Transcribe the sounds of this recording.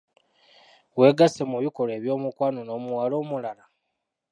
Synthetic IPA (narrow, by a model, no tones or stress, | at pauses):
we̞ːɡasemuβiko̞le̞ːβjo̞ːmukwanono̞ːmuwalo̞ːmulala